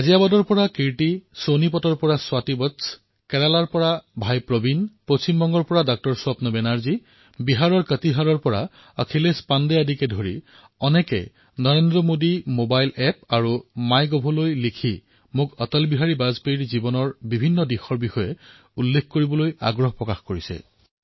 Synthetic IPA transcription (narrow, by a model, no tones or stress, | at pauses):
azijabadɔɹpɔɹakiɹʈisonipɔtɔɹpɔɹaswatibɔts | kɛɹalaɹpɔɹabʱajpɹobinpɹosimbɔŋɡɔɹpɔɹadɔk̚tɔɹswapnɔbɛnaɹzi | biɦaɹɔɹkətiɦaɹɔɹpɔɹa̰ | əkʰilespandɛadikɛdʱoɹḭ | ɔnɛkɛ̰ | nɔɹendɹɔmodimobajlɛp̚aɹumajɡɔbʱɔlojlikʰi | mukɔtɔlbiɦaɹibazpeiɹzibɔnɔɹbibʱinːɔdixɔɹbixɔjɛ | ulːekʰkoɹibɔloja̰ɡɹɔɦpɹɔkaxkoɹisɛ̰